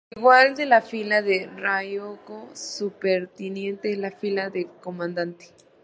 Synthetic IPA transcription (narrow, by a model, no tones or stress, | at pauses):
iɣwald̪elafilaðerajokosupeɾt̪injẽnt̪elafilaðekomãnd̪ant̪e̥